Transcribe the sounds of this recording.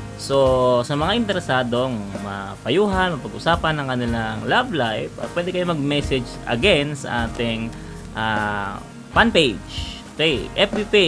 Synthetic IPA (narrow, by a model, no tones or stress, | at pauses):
so̞sɐmɐŋaʔɪnt̪ɛɾɛsaːd̪o̞ŋmɐ̰pɐjuːɦɐnmɐpɐɡʔʊsaːpɐnɐŋkɐnɪlaŋlablajppwɛːd̪ɛkɐjomɐɡ̚mɛsɛd͡ʒʔɐ̰ɡɛnsɐ̰ʔaːt̪ɪŋ | ʔa | panpejd͡ʒ | kɛjʔɛpipi